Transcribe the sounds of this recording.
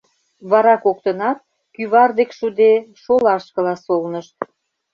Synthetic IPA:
βɑɾɑkokt̪ənɑt̪̚ | kyβɑrd̪ekʃud̪eʃolɑʃkə̆lɑsolnəʃ

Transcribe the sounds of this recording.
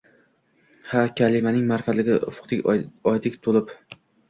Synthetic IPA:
hakʲʰalɪmanɪŋmaɾfalɪɡʲɪfʊ̥qt̪ɪɒjd̪ɪkʲt̪ʰolɪp

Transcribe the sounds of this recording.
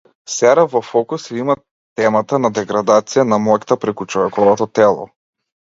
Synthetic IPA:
sɛɾavɔfɔkusima | t̪ɛmat̪anad̪ɛɡɾad̪at̪sijanamɔkʲt̪apɾɛkut͡ʃɔvɛkɔvɔt̪ɔt̪ɛlˠɔ̰

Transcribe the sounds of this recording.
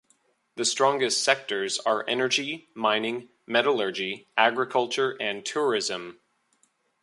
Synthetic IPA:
ðɨstɹ̥ɔ̃ŋɡɨstsɛk̚tə˞zə˞ʔɛnə˞d͡ʒimãɪ̃nɪ̃ŋ | mɛɾələ˞d͡ʒiʔæɡɹɨkʰʌlˠt͡ʃə˞ʔɨ̃ntʰʊɹɪzə̃m

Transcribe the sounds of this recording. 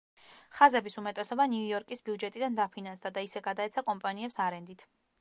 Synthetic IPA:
χazɛbisumɛt̪ʼɛsɔbaniujɔɾkʼisbiud͡ʒɛt̪ʼid̪and̪apʰinansd̪ad̪aisɛɡad̪aɛt̪sʰakʼɔmpʼaniɛpsaɾɛnd̪it̪ʰ

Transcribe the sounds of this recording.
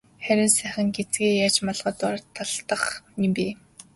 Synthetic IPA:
χæɾʲɪ̆nsæːχə̆ŋɡet͡sɡeːjaːt͡ɕmɔɮʁə̆t̪ʊrt̪ʰːaɮt̪ə̆χmimpiː

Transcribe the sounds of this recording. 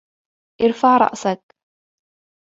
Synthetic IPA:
ʔɪɾfaʕɾˤɑ̰ʔsak

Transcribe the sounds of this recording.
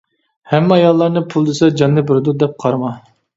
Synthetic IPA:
hɛmːɛɑjɑlˠːɑɾnɨpʰulˠd̪esɛd͡ʒɑnːɨbɨɾɨd̪ud̪ɛp̚qʰɑɾmɑ

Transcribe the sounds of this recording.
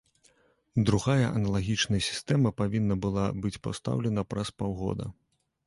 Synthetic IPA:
d̪ɾuɣajɐʔɐnɐlˠaɣʲit͡ʂnɐjɐsʲi̥st̪ɛmɐpavʲinːɐbɨlˠabɨt͡sʲpa̰wst̪a̰wlʲɛnɐpɾɐspawɣɔ̰d̪ɐ̰

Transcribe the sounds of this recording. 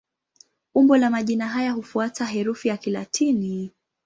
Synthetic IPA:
umbɔlamaʄinaɦajahufuataɦɛɾufijakilatʰini

